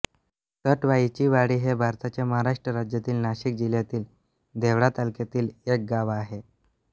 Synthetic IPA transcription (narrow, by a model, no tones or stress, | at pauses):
səʈʋait͡ɕiːʋaɽiːɦebʱaɾt̪at͡ɕjaməɦaɾaʂʈɾəɾad͡ʑjat̪iːlnaɕik̚d͡ʑiljat̪iːl | d̪ʱeʋɽat̪alket̪iːlek̚ɡaʋaɦe